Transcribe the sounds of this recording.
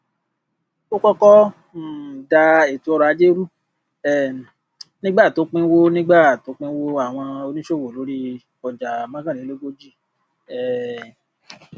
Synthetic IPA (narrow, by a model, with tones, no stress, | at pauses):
o˦kɔ˦kɔ˦˨ | da˧e˨tu˨˦ɔ˧ɾa˧˨˧d͡ʒe˦ɾu˦ | ɛ˦˨ | nĩ˦ɡ͡ba˦˨to˨˦k͡pĩ˦wo˦nĩ˦ɡ͡ba˦˨to˨˦k͡pĩ˦wo˦a˦˨w̃ɔ̃˧o˧nĩ˦ʃo˦˨wo˨lo˨˦ɾi˦ | ɔ˨d͡ʒa˨mã˦ɡã˦˨ĩ˨˦le˦ɡo˦d͡ʒi˦˨ | ɛ˦˨